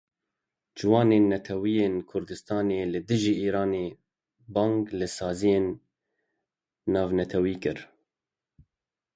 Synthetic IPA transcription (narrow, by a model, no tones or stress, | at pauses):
d͡ʒɪwɑːneːnːɛt̪ʰɛwiːjeːnkʰʊɾd̪ɨst̪ɑːneːlɨd̪ɨʒiːʔiːɾɑːneː | bɑːŋɡlɨsɑːzijeːn | ɑːvnɛt̪ʰɛwiːkɨɾ